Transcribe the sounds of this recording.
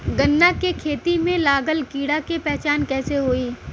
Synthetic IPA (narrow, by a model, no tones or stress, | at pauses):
ɡənːakekʰeːt̪imẽlaːɡəlkiːɽakepɛɦt͡ʃaːnkɛːseɦoːiː